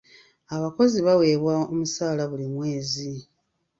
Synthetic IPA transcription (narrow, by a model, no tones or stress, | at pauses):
aβako̞ziβawe̞ːβwaomusaːlaβulimwe̞ːzi